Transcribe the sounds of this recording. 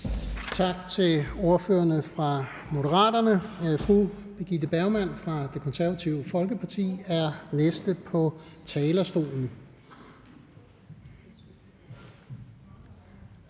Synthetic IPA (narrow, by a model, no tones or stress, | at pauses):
t͡sʰɑ̈ɡ̥̚t͡sʰe̝lo̝ɐføːɐnəfʁɑ̈ | mo̝dəʁɑ̰̈ːdɐnəfʁub̥e̝ɡ̥id̥əb̥æʊmæn̰fʁɑ̈d̥e̝kʰɒ̽nsæɐʋæt͡sʰiʊəfɒ̽lɡ̥əpʰɑ̈t͡sʰḭːæɐnesd̥əpʰɒ̽t͡sʰɛːlɐsd̥o̝̰ːln̩